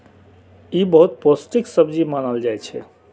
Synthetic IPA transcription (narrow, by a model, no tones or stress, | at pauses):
ibəɦut̪̚posʈiksəbd͡ʒimanəld͡ʒajt͡ʃʰɛ